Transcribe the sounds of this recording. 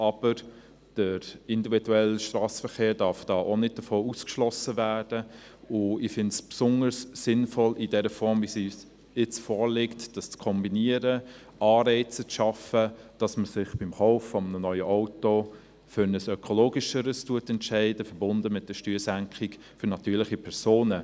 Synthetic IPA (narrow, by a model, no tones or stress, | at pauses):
ɑb̥əɾ | d̥əɪndividuɛlʃtrɑːsfəɾχeːɾdɑɾfd̥ɑːʔonɪt̚d̥əfoːuskʃlɔsəvæːd̥ə | ʊɪfɪntspsʊnəsːɪnfɔlidɛɾəfɔɾmvisis | ɪt͡sfɔːɾlɪktd̥ɑst͡skʰɔmbiniəɾə | ɑːɾɛɪt͡sət͡sʃɑfəd̥ɑsməsɪχb̥ɪmχɔʊfːɔmənənœʏəʔɔʊto | fʏɾnəsœkʰɔloːɡɪʃəɾəstuətɛntʃɛɪdəfəɾbʊndəmɪt̚d̥əʃtyːɾsæŋkχik | fʏɾnɑtyːɾlɪχipʰɛɾsoːnə